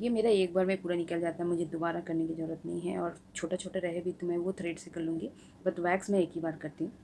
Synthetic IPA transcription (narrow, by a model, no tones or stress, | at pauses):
jemeːɾaeːk̚baːɾmẽpuːɾanɪkəld͡ʒaːt̪aɦɛmʊd͡ʒʱed̪obaːɾakɐɾnekizɐɾuːɾət̪nɐ̰ɦĩɦɛɔːɾ | t͡ʃʰoːʈat͡ʃʰoːʈaɾɛɦebʱit̪omɛ̃ʋot̪ʰɾeːɖsɪkɐlːũːŋɡi | bɐt̪ʋɛːksmɛ̃eːkɦibaːɾkɐɾt̪iɦũː